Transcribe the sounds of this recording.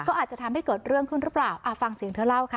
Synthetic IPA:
kɔː˥˩aː˨˩t̪̚t͡ɕa˨˩t̪ʰmha˥˩kɤː˨˩t̪̚ɾɯ˥˩əŋkʰɯ˥˩nɾɯ˦˥plaː˨˩wʔa˧˩fa˧ŋsi˨˦ŋt̪ʰɤː˧˥˩la˥˩wkʰa˦˥˩

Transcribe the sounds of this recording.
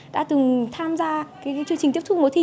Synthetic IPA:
ɗa̰ː˧˥t̪ɨ˨˩ŋt̪ʰaː˧mzaː˧kaː˨˦jkːt͡ɕɨ˧əŋt͡ɕï˨˩ŋt̪i˦˥əp̚t̪ʰk̚mo˨˦t̪ʰi˧

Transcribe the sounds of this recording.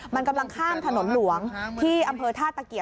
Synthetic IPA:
ma˧nka˧mla˧ŋkʰaː˥˩mt̪ʰa˧no˩˦nlu˩˦əŋt̪ʰiː˥˩ʔa˧mpʰɤː˧t̪ʰaː˥˩t̪ːa˨˧˩ki˨˩ə˩

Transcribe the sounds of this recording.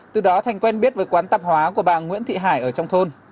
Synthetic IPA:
t̪ɨ˨˩ɗɔ˨˦t̪ʰa˨˩jŋ̟kwɛ˧nɓi˦˥ət̚vəː˨˦jkwaː˨˦nt̪a˨˩p̚hwaː˨˦ku˧˩əɓaː˧˨˩ŋwḭ˧˥ənt̪ʰḭ˧˨ɦaː˧˩jʔəː˧˩t͡ɕɔ˧wŋ͡mt̪ʰo˧n

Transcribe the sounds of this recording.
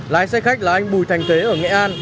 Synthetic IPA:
laː˨˦jsɛ˧xa˦˥k̟̚laː˨˩ʔa˧jŋ̟ɓu˧˩jt̪ʰa˨˩jŋ̟t̪ʰwe˨˦ʔəː˧˩ŋɛ̰˧˨ʔaː˧n

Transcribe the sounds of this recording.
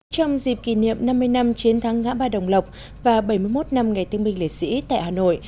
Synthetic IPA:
t͡ɕɔ˧wŋ͡mzi˨˩p̚ki˧˩nḭ˧˨əmna˧mːɨ˧əjna˧mt͡ɕi˨˦ənt̪ʰaː˨˦ŋːa̰ː˧˥ɓaː˧ɗə˨˩wŋ͡mlə˨˩wk͡p̚ | vaː˨˩ɓə˧˩jmɨ˧əjmo˦˥t̚na˧mŋa˨˩jt̪ɨ˧əŋɓï˧ŋ̟lḛ˧˨˩t̚sḭ˧˥t̪a̰ː˧˨jhaː˨˩no̰˧˨j

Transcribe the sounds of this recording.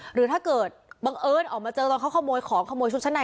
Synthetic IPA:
ɾɯː˩˦t̪ʰaː˥˩kɤː˨˩t̪̚ba˧ŋʔɤː˧nʔɔː˨˩k̚maː˧t͡ɕɤː˧t̪ɔː˧ŋkʰːkʰɔː˥˩moː˧jkʰɔː˩˦ŋkʰɔ˥˩moː˧t͡ɕʰu˦˥t̚t͡ɕa˦˥na˧

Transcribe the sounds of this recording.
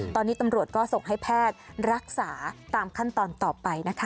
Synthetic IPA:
t̪ɔː˧nːiː˦˥t̪a˧mɾu˨˩ət̪̚kɔː˥˩so˨˩ŋɦa˥˩jpʰɛː˥˩t̪̚ɾa˦˥k̚saː˩˦t̪aː˧mkʰa˥˩nt̪ɔː˧nt̪ɔː˨˩pa˧jna˦˥kʰa˦˥

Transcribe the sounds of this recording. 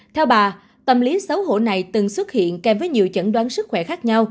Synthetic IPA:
t̪ʰɛ˧wɓaː˨˩ | t̪ə˨˩mli˨˦sə˨˦wɦo̰˧˨na˨˩jt̪ɨ˨˩ŋswə˦˥t̚hḭ˧˨ənkɛ˨˩mvəː˨˦jɲi˨˩əwt͡ɕə̰˧˥nɗwaː˨˦nsɨ˦˥k̚xwɛ˧˩xaː˦˥k̚ɲa˧w

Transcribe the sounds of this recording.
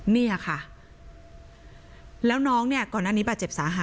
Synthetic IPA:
ni˥˩a˨˩kʰa˥˩ | lɛː˦˥wnɔː˦˥ŋni˥˩ɐkɔː˨˩nːaː˥˩ni˦˥ba˨˩t̪t͡ɕe˨˩p̚saː˩˦ɦaː˨˦

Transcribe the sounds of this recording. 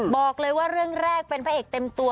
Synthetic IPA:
bɔː˨˩k̚lɤː˧jwaː˥˩ɾɯ˥˩əŋɾɛː˥˩k̚pe˧npʰaː˦˥˩ʔeː˨˩k̚t̪e˧mt̪u˧ə

